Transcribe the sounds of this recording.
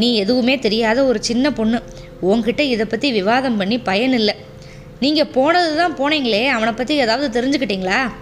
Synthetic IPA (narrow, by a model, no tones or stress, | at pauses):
nĩːɛðɯʋɯmeːt̪ɛɾɪjaːðɐɔɾɯt͡ʃɪnːɐpɔɳːɯ | ɔŋɡkɪʈːɐɪðɐpːɐt̪ːiʋɪʋaːðɐmpɐɳːipɐjɐɳɪlːɐ | niːŋɡɐpoːnɐðɯt̪ãːpoːɳeːŋɡɐɭeːɐʋɐɳɐpːɐt̪ːiɛðaːʋɐðɯt̪ɛɾɪɲd͡ʒɯkːɪʈːiːŋɡɐɭaː